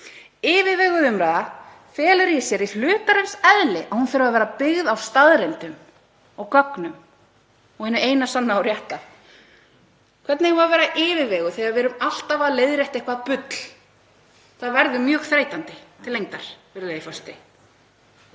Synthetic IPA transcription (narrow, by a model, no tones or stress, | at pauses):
ɪːvɪðvɛːɣʏðʏmɾaða | fɛːlʏɾjɛsjɛɾil̥ʏːt̪aɾɛmsɛðlɪʔahunfɪɾaðvɛːɾapɪɣðawst̪aðɾɛnt̪ʏm | ɔɣkœknʏm | ɔɣhɛnːʏejnasanːaːwɾjɛht̪aθ | kʰvɛt̪nɪjɛvavɛːɾaʔɪːvɪvɛːɣʏθɛɣaɾvɪːɾʏmal̥t̪avaðlejðɾjɛjht̪ehkvaðpʏt̪l̥ | θaðvɛɾðʏmjœːɣθɾeːjt̪ant̪ɪt̪ʰɪlːejŋt̪aɾ̥vɪɾðaifɔst̪ɪ